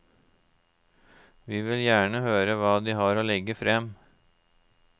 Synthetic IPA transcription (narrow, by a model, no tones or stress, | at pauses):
ʋiːʋɪljæːɳəhøːɾəʋɑːd̪iːhɑɾoːlɛɡəfɾɛm